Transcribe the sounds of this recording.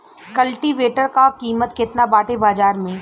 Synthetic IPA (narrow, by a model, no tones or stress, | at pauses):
kɐlʈiʋeːʈəɾkakiːmət̪kɪt̪nabaːʈebaːzaːɾmẽ